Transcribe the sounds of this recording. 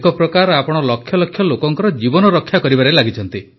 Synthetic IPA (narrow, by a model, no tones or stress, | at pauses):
kɔpɾɔkaɾapɔɽ̃ɔlɔkʰːjɔlɔkʰːjɔlokɔŋkɔɾɔd͡ʒibɔnɔɾɔkʰːjakɔɾibaɾelaɡit͡ʃʰɔnt̪i